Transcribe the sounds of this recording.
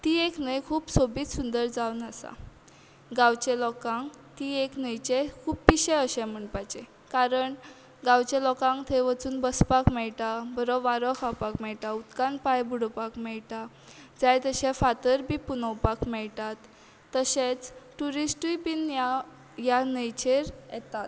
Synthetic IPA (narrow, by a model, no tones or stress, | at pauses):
t̪iːeknəjkʰuːpsobiːt̪sund̪əɾd͡zawnasa̰ | ɡãwt͡ɕelɔkãŋɡ | t̪ieknəjt͡ɕekʰuːpːiɕẽəɕẽm̤əɳpajt͡ɕe | kaɾəɳ | ɡãwt͡ɕelɔkãŋɡt̪ʰeʋət͡suːnbəspakmɛɭʈabəɾoʋaɾɔkʰawpakmɛɭʈaut̪kãnpajbuɽopakmɛɭʈa | d͡zajt̪əɕẽfat̪əɾbʱiːpunəwpakmɛɭt̪at̪ː | əɕẽt͡sʈuɾisʈipinja | janəjt͡ɕeɾjɛt̪at̪̚